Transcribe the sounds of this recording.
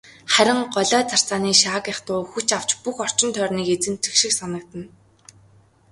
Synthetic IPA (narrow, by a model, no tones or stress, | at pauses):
χæɾʲɪ̆ŋɢɔɮœːt͡sʰar̥t͡saːniːʃaːkjaχt̪ʊːxut͡ɕaw̥t͡ɕpuxɔr̥t͡ɕɪ̆nt̪ʰœːrniːket͡sɘ̆nt͡sʰixʃɪ̆ksanə̆k̚t̪ə̆n